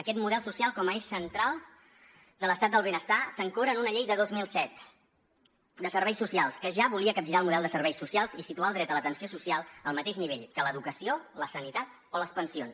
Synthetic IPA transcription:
əkɛt̪muðɛlˠsusialˠkɔməeʃsənt̪ɾalˠ | d̪ələst̪at̪d̪əlˠβenəst̪asəŋkoβɾəːnunəʎejðəðozmilˠsɛt̪ | d̪əsəɾβɛjsusialˠskəʒaβuliəkəbʒiɾaəlˠmuðɛlˠd̪əsəɾβɛjsusialˠzisit̪ualˠd̪ɾɛt̪ələt̪ənsiosusialˠəlˠmət̪eʒniβeʎkələðukəsioləsənit̪at̪̚ | oləspənsions

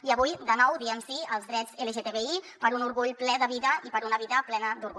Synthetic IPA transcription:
iəβujd̪ənɔwðiəmsiəlˠzðɾɛd͡zeləʒet̪eβeipəɾunuɾɣuʎplɛðəβiðəipəɾunəβiðəplɛnəd̪uɾɣu

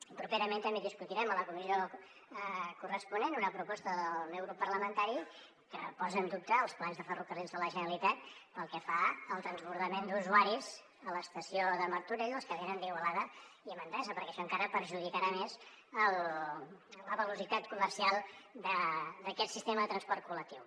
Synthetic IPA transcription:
ipɾupeɾəment̪əmbeðiskut̪iɾɛmələkumizio | kurəspunenunəpɾupɔst̪əððəəlˠmɛwɣɾupːəɾləmənt̪aɾi | kəpɔzənd̪up̚t̪əːlˠsplanzðəfərukərilzðələʒənəlit̪at̪pəlˠkɛfaəlˠt̪ɾənzβuɾðəmend̪uzuaɾiz | ələst̪əsioðəməɾt̪uɾeʎəlˠskətenənd̪iɣwəlaðəiəmənd̪ɛzəpəɾkɛʃɔəŋkaɾəpəɾʒuðikəɾamez | əl | ləβəlusit̪at̪kuməɾsialˠd̪əd̪əkɛt̪sist̪eməðət̪ɾənspɔrt̪̚kulək̚t̪iw

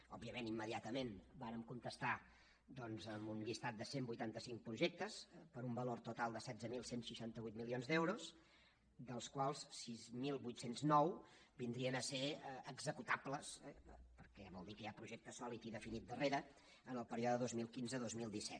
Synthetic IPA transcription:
ɔbːiəmenimːəðiat̪əmenbaɾəmkunt̪əst̪a | d̪ɔnzəmunʎist̪at̪̚d̪əsembujt̪ant̪əsiŋ̚pɾuʒek̚t̪əspəɾumbəloɾt̪ut̪alˠd̪əsɛd̪zəmilˠsensʃiʃant̪əβujt̪milionzd̪ewɾus | d̪əlˠskwalˠssizmilˠbujt̪senznɔw | bind̪ɾiənəseəɡzəkut̪abləspəɾkɛβɔlˠd̪ikəjapɾuʒɛk̚t̪əsɔlit̪iðəfinit̪̚d̪əreɾə | ənəlˠpəɾiɔðəðozmilˠkinzəðozmilˠd̪isɛt̪

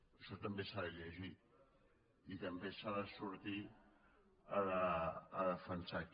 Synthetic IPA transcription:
soɾat̪ambesaɾalezi | ikambesaɾasuɾat̪i | aɾaːɾafant͡sak

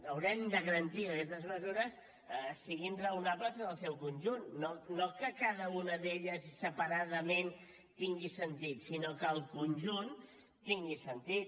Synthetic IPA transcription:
əwɾɛmd̪əɣəɾənt̪iəkɛst̪əzməzuɾəs | siɣinrəunapləzənəlˠsɛwkunʲʒunːonokəkaðəunəðeʎəssəpəɾaðəmen | t̪iŋɡisənt̪it̪sinokəːlˠkunʒun | t̪iŋɡisənt̪it̪

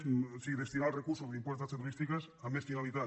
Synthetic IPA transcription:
siðest̪inalrekuɾsozðeimpwest̪ast̪et̪uɾist̪ikas | ameskinaβit̪a

